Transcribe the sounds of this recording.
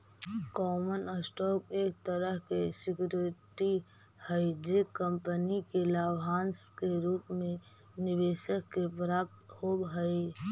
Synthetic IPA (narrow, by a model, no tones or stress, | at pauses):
kɔːmənəsʈɔːk̚eːk̚t̪əɾəɦkesɪkjuɾɪʈi | həɪd͡ʒekə̃mpənikelabɦaːnskeɾuːpmẽ | nɪʋeːʃəkːepɾaːp̚t̪hobɦəɪ